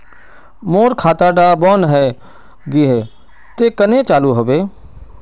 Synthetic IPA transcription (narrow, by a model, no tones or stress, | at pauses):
moːɾkʰaːt̪aːɖabɔːnɦɛː | ɡiɦɛː | t̪eːkənet͡ʃaːluɦoʋeː